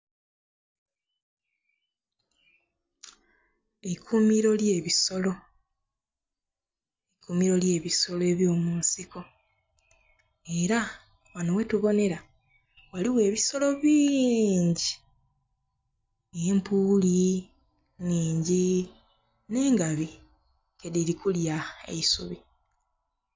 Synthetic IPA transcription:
ekʰumiɾo̞lje̞ːβiso̞lo̞ | ekumiɾo̞lje̞ːβiso̞loe̞ːβjo̞ːmuːnsiko̞ | e̞ɾa | wano̞we̞tuβo̞ne̞ɾa | waliwe̞ːβiso̞lo̞βiːɲɟi | empuli | niːɲɟi | ne̞ːŋɡaβi | kedilikuljaḛisuβi

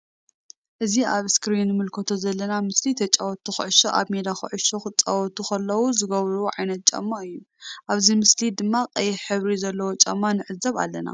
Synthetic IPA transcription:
ʔɨziaβɨskɾinːmɨlkʰɐt̪ʰo̞zɐlːɐnamɨslit̪ʰɐt͡ʃʼawɔt̪ʰːuxɨʕɨʃoʔa̰βmed̪axɨ̰ʕɨʃoxɨt͡sʼawɔt̪ʰuxɐlːɐwuzɨɡɐβɾuʕajnɐt̪̚t͡ʃʼɐ̰mːaɨjːu | ʔaβzimɨslid̪ɨmːaqʼɐjɪħɨβɾizɐlːɐwot͡ʃʼɐmːanɨʕɨzɐβa̰lːɐna̰

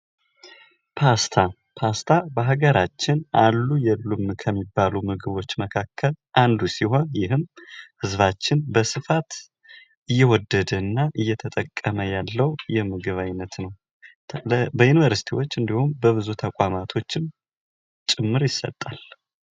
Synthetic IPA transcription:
pʰast̪ʰa | pʰast̪ʰabəɦaɡəɾat͡ʃːɪnʔalːujɛlːumkʰəmːibːalumɨɡɨβo̞t͡ʃːməkʰakʰːəlʔand̪usiho̞njɪɦɨmhɨzβat͡ʃːɪnbəsɨfat̪ | ʔɨjːɛwɔd̪ːəd̪əɨnːaʔɨjːɛt̪ʰət̪ʼəkʼːəməjalːəwjɛmɨɡɨβajnːət̪nəw | bəjunivəɾsi̥t̪ʰiwot͡ʃːɨnd̪ihumbəβɨzut̪ʰəkʼamat̪ʰo̞t͡ʃːɪm | t͡ʃʼɪmːɨɾjɪsə̰t̪ʼːal

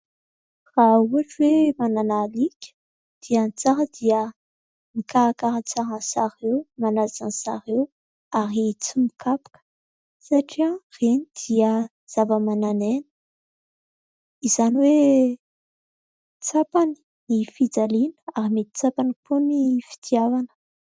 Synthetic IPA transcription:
rauaʈ͡ʂwemananalikʲə̥ | d̪̥iəant͡saɾəd̪iə | mikaɾakaɾant͡saɾansaɾewmanazansa̰ɾew | aɾit͡simikʰapḁkə̥ | saʈ͡ʂiãrenid̪̥iə | z̥avəmananenə̥ | izaniwe | t͡sapani̥ | nifid͡zalinəaɾimet̪i̥t͡sapaniponifi̥t̪ʰiavanə̥

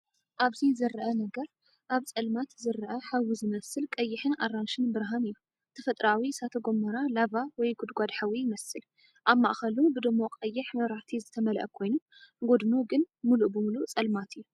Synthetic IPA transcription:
ʔaβzizɨɾʔɐnɐɡɐɾ | ʔaβt͡sʼɐlmat̪zɨɾʔɐħawizɨmɐsɨlkʼɐjːɪħɨnaranʃɨnbɨɾɦanɨjːu | t̪ʰɐfɐt̪ʼɾawisat̪ʰɐɡo̞mːɐɾalavawɔjɡʊd̪ɡʷad̪ħawijɪmɐsɨl | ʔaβma̰ʔxɐlubɨd̪ɨmːo̞qʼɐjːɪħmɐɾaħt̪ʰizɨt̪ʰɐmɐlʔɐ̰kʰo̞jnu | ɡo̞d̪ɨnoɡɨn | muluʔbɨmulut͡sʼɐlmat̪ʰɨjːu

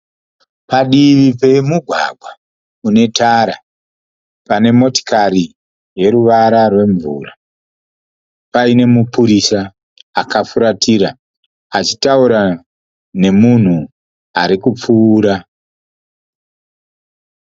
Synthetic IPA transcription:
paɗiʋipe̞muɡʱwa̰ɡʱwa | une̞taɾa | pane̞mo̞ti̥kaɾi | je̞ɾuʋaɾarwe̞ɱvṵːra | paine̞mupuɾisa | akafuɾatiɾa | at͡ʃi̥tauɾa | ne̞mun̤u | aɾikup͡fuːɾa

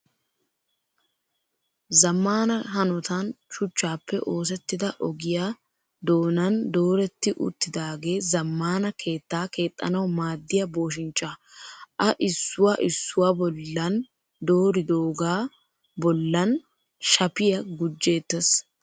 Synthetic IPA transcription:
zɐmːaːnɐɦɐnɔt̪ɐnʃʊt͡ʃːaːpːɛʔo̞ːs̬ɛt̪ːɪd̪ɐʔɔɡɪja | d̪o̞ːnɐnd̪o̞ːɾɛt̪ːɪʔʊ̰t̪ːɪd̪aːɡe̞ːzɐmːaːnɐkʰe̞ːt̪ːaːke̞ːt̪ʼːɐ̰nɐwmaːd̪ːɪjɐbo̞ːʃ̬ɪnt͡ʃʼːa | ʔɐʔɪsːʊwaːʔɪsːʊwaːbɔlːɐn | d̪o̞ːɾɪd̪o̞ːɡaː | bɔlːɐn | ʃɐpɪjɐɡʊd͡ʒːe̞ːt̪ːɛs

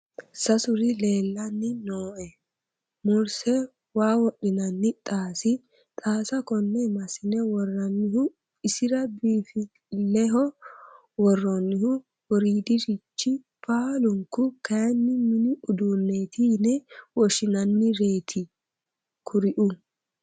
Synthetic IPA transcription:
sɐsʊɾɪle̞ːlːɐnːɪnoːʔɛ | mʊɾsɛ | waːwɔɗːɪnɐnːɪt̪ʼaːsɪ | t̪ʼaːsɐkɔnːɛmɐsɪnɛwɔrːɐnːɪhʊ | ɪsɪɾɐbiːfɪ | lɛɦɔ | wɔrːɔnːɪhʊ | wɔɾiːd̪ɪʃɪt͡ʃːɪ | paːlʊŋkʊkɐjɐnːɪmɪnɪʊd̪unːeːt̪iːnɛwɔʃɪnɐnːɪɾe̞ːt̪ʰɪ | kʰʊɾɪʔʊ

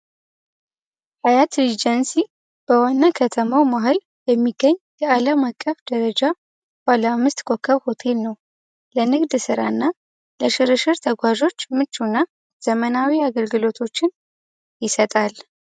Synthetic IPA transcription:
hajat̪ɾid͡ʒənsi | b̥əwanːakʰət̪ʰəmawmaɦɨl | jɛmːiɡːəɲːjɛaləmakʼːəfd̪̥əɾəd͡ʒa | balamːɨst̪kʰʼo̞kʰːəβho̞t̪ʰe̞lnəw | lənɨɡd̪sɨɾa̰ɨnːa | ləʃɨɾɨʃɨɾt̪ʰəɡʷaʒo̞t͡ʃːmɨt͡ʃːunːa | z̥əmənawiaɡəlɡɨlo̞t̪ʰo̞t͡ʃːɪn | jɪsət̪ʼal

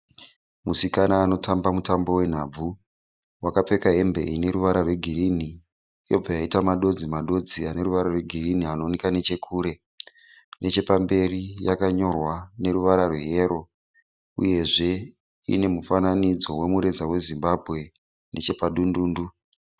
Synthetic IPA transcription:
musikanaːno̞tambamutambo̞we̞n̤ab͡vu | wakap͡fe̞kaɦe̞mbe̞̰ine̞ɾuʋaɾarwe̞ɡʱirini | ijo̞b͡vajaitamaɗo̞d͡zimaɗo̞d͡ziane̞ɾuʋaɾarwe̞ɡʱirinianoːnekane̞t͡ʃe̞kʰuːɾe̞ | ne̞t͡ʃe̞pambe̞rijakaɲo̞rwane̞ɾuʋaɾarwe̞ɦeɾo̞ | ṵje̞ʐe̞ | ḭne̞mufananid͡zo̞we̞muɾe̞d͡zawe̞zimbabʱɣe̞ | nʔe̞t͡ʃe̞paɗunduːndu

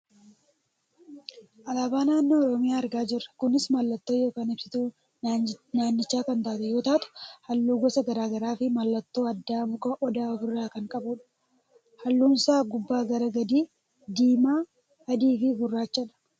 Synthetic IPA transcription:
ʔɐlaːbaːnaːnːoːɔɾɔmɪjaːɐɾɡaːd͡ʒɪrːɐ̥kʊnɪsmɐlːɐt̪ːo̞ːjo̞ːkaːnɪb̥sɪt̪uː | naːnːɪt͡ʃːaːkɐnt̪aːt̪ɛjo̞ːt̪aːt̪ʊ̥hɐlːuːɡɔsɐɡɐɾaːɡɐɾaːfɪmɐlːɐt̪ːo̞ːɐd̪ːaːbʊkɐʔɔd̪aːɡʊrːaːkɐŋkʼɐbʊᶑɐ̥ | hɐlːuːnsaːɡʊbːaːɡɐɾɐɡɐd̪iː | d̪iːmaː | hɐd̪iːfɪɡʊrːaːt͡ʃːɐᶑɐ̥

